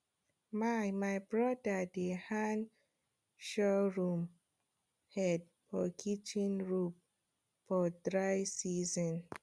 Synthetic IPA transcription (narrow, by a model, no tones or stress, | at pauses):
majmajbɹɔdədehãn | ʃɔɹũm | hɛd̚ | fɔkʰit͡ʃĩnɹup̚ | fɔdɹajsizɔ̃n